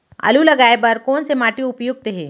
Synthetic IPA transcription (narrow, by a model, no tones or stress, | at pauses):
ɐ̰lulɐɡaːebɐɾkɔːnsemaːʈiʊpjʊɡ̚t̪eɦẽː